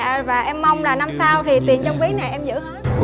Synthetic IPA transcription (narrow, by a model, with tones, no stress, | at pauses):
vaː˨˩ʔɛ˧mːa˧wŋ͡mlaː˨˩na˧msaː˧wt̪ʰi˨˩t̪i˨˩ənt͡ɕɔ˧wŋ͡mki˨˦na˨˩jʔɛ˧mzɨ̰˧˥